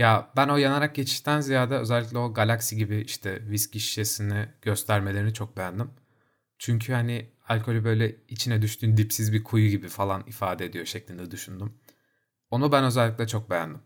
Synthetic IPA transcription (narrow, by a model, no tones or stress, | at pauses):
jabæno̞janaɾak̚ɟe̞t͡ʃʰi̥ʃt̪ʰænzijaːd̪ɛø̞zɛlʲːic̬lʲɛo̞ɡalʲaksiɟibiiʃt̪ʰɛvisciʃjesiniɟ̥ø̞st̪ʰæɾmelʲeinit͡ʃʰo̞k̚be̞jænd̪im | t͡ʃʰyɲcʰyhanɪ | alʲkʰo̞lʲybø̞jlʲɛit͡ʃʰinɛd̪yʃt̪yːnd̪ipsizbiɾkʰujɟibifalˠanifaːd̪ɛd̪ijo̞ʃɛclʲind̪ɛd̪yʃynd̪ym | o̞nubænø̞zɛlʲːic̬ʲlʲɛt͡ʃʰo̞k̚be̞jæ̰nd̪im